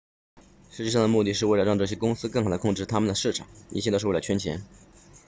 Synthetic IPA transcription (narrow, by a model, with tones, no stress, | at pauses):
ʂɻ̩˧˥t͡ɕɛ˥˧ʂɑ˥˩nd̪ə˩mu˥˧t̪i˥˧ʂ̬ɻ̩˥˧we˥˩ɪlə˧˥ɻɑ˥˧ŋʈ͡ʂɤ˥˩ɕjɛ˥kʊ˥ŋsɹ̩˥kɤ˥˩ŋxɑ˨˩d̪ə˦kʰʊ˥˧ŋʈ͡ʂɻ̩˥˩t̪ʰa˥mə˨nd̪ə˩ʂɻ̩˥˩ʈ͡ʂʰɑ˨˩˦ŋḭ˧˥ɕj̪ʂ̩˥˧wə˧˥t͡ɕʰɛ˥nt͡ɕʰjɛ̰˧˥n